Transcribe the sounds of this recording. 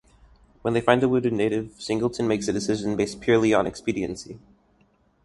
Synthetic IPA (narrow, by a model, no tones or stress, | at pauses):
wə̃nðeɪfãɪ̃nðəwʉɾɨdⁿneɪɾɪv̥sɪ̃ŋɡl̩ˠtʰɨ̃nmeɪksɨdɨsɪʒɨ̃n̩beɪspʰjʊɹlˠiə̃nɨ̰kspiɾiɨ̰̃nsi